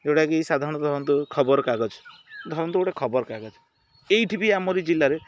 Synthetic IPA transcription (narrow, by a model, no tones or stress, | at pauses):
ewʈakiejsad̪ʱaɾɔɽ̃d̪ʱɔɾɔnt̪ukʰɔbɔɾkaɡɔd͡ʒʰd̪ʱɔɾɔnt̪ueowʈakʰɔbɔɾkaɡɔd͡ʒʰ | eiʈʰibiamɔɾid͡ʒilːaɾe